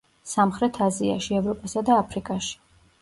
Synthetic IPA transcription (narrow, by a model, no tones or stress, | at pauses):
samχɾɛt̪ʰazia̰ʃiɛvɾɔpʼasad̪aːpʰɾikʼaʃi̥